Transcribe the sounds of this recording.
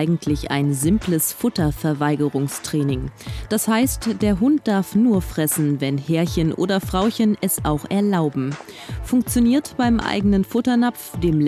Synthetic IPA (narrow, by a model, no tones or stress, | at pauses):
ɪɡŋ̩tʰlɪça̰ɪnzɪmpləsfʊtɐfɛɐvaɪɡəʁʊŋstʁ̥ɛːnɪŋd̥ashaɪstd̥eːɐɦʊnt̚d̥aɐfnuːɐfʁ̥ɛsn̩vɛnhɛːɐçənʔo̰ːdɐfʁ̥aʊçənɛsʔaʊxʔɛɐlaʊbm̩fʊŋkt͡sjoniːɐtb̥aɪmʔa̰ɪɡənənfʊtɐnap͡fd̥eːm